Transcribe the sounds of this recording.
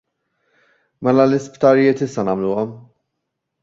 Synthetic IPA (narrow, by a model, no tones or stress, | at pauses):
mɛlɐlɪspt̪ɐɾjɪːt̪ɪsːɐnɐːmluːɔm